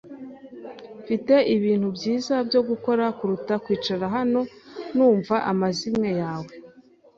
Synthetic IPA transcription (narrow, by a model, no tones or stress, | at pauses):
fite̞ʔiβiːn̥hubɟiːzabjo̞ɡuko̞ɾakuɾutakwiːt͡ʃaɾaɦano̞nuːɱvaʔamazimŋe̞jaːwe̞